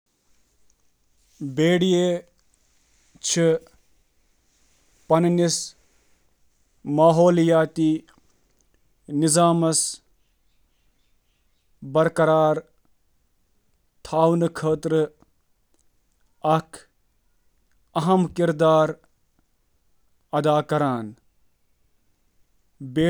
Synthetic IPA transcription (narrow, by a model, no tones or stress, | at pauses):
beːɽijeː | t͡ʃʰi | pɐnnis | maːɦoːljaːt̪iː | nizaːmɐs | bɐɾkɐɾaːɾ | t̪ʰaːwnɨkʰəːt̪ɾɨ | ɐkʰ | ɐɦɐmkiɾd̪aːɾ | ɐd̪aːkɐɾaːn | beː